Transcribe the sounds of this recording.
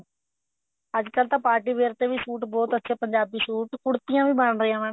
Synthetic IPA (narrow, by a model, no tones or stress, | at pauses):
əd͡ʒkəlt̪ãːpaːɾʈiːʋeːɾt̪eːʋiːsuːʈbɔːt̪ətːʃʰeːpəɲd͡ʒaːbiːsuːʈkʊɽt̪ɪjãːʋiːbəɳɾəãːʋə̃ːn